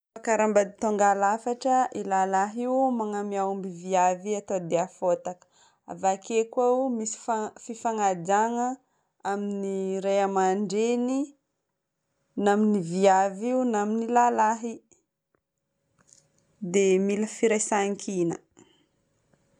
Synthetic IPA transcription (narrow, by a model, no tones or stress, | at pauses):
fakaɾambad̪it̪oŋɡalafaʈ͡ʂəʔilalaɦiumaŋamiaumbiviaviat̪od̪eafot̪akə̥ | a̰vakekawmisi̥fafifaŋad͡ʒaŋə | aminiɾejamaɳɖ͡ʐeni | naminiviaviunaminilalaɦi | d̪emiləfiɾesaŋkʰinə